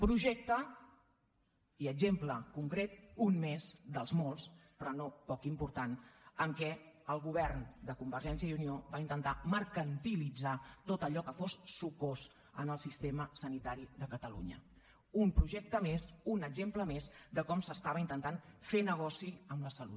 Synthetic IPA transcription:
pɾuʒɛk̚t̪ə | iəɡzempləkuŋkɾet̪unmezd̪əlˠzmolˠspɾɔnopɔkimpuɾt̪anəŋkɛ | əlˠɣuβ̞ɛrnd̪əkumbəɾʒɛns̬jəiunioβaint̪ənt̪aməɾkənt̪ilid͡zat̪ot̪əʎɔkəfosːukos | ənəlˠsist̪eməsənit̪aɾiðəkət̪əlṵɲə̰ | umpɾuʒɛk̚t̪əmezunəɡzempləmezd̪əkɔmsəst̪aβəint̪ənt̪anfenəɣ̞ɔsiəmləsəlṵt̪

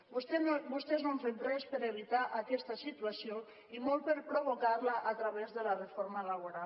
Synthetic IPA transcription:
bust̪enbust̪eznoɱfemprɛspəɾeβ̞it̪aʔakɛst̪asit̪uasjo | imolpeɾpɾoβokaɾlaʔat̪ɾaβezðəlarefoɾmalaβ̞oɾa

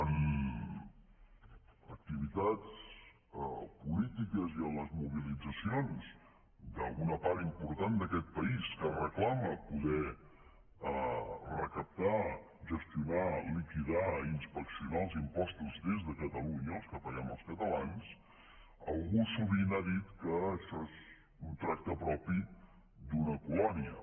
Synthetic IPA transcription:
ən | ək̚t̪iβ̞it̪at͡s | pulit̪ikəziənləzmuβ̞ilid͡zəsionz | d̪əlˠɣunəpaɾimpuɾt̪and̪əkɛt̪̚pəiskərəklaməpuðɛ | rəkəp̚t̪a | ʒəst̪iunalikiðainspəksiunalˠzimpɔst̪uzd̪ezðəkət̪əluɲəːlˠskəfəjɛməlˠskət̪əlans | əlˠɣusuβinaðit̪kəʃɔez | unt̪ɾak̚t̪əpɾɔpi | d̪unəkulɔniə

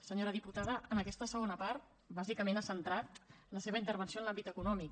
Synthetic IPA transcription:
səɲoɾəðiput̪aðəʔənəkɛst̪əsəɣonəpaɾt̪̚ | bazikəmenasənt̪ɾat̪ləseβəint̪əɾβənsioənlambit̪əkunɔmik

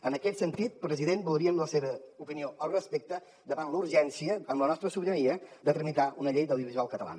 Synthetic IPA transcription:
ənəkɛt̪sənt̪it̪̚pɾəziðenbulˠɾiəmləseβəupinioʔəlˠrəspek̚t̪ə | d̪əβanluɾʒɛnsiəəmlənɔst̪ɾəsuβɾəniəd̪ət̪əɾmit̪aunəʎejd̪əwðiuβizualˠkət̪əla̰nə

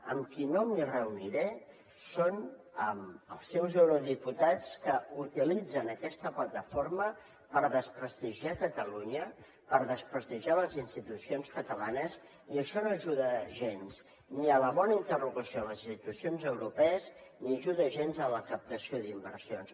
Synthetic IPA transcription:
ə̰mkinomirəuniɾɛ | sonəmə̰lˠsːɛwzewɾoðiput̪at͡skəut̪ilid͡zənəkɛst̪əplət̪əformə | pəɾðəspɾəst̪iʒiakət̪əluɲə | pəɾðəspɾəst̪iʒaləzinst̪it̪usionskət̪əlanəz | iəʃɔnoəʒuðəʒens | niələβɔnəint̪əruɣəsijoləzinst̪it̪usionzəwɾupɛəzniəʒuðəʒenzələkəp̚t̪əsioðimbəɾsions

